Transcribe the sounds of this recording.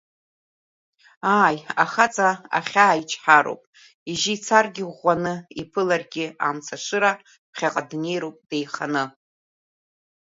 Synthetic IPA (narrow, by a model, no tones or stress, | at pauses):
aːjaχat͡sʼaa̰χʲaːjt͡ʃʰʼħaɾo̰wpʼ | iʒiːt͡sʰarɡʲɪanɨipʰɨlarɡʲɪamt͡sʰaʃʷɨɾa | pʰχʲaqʼadne̞jɾowpʼd̥ejχanɨ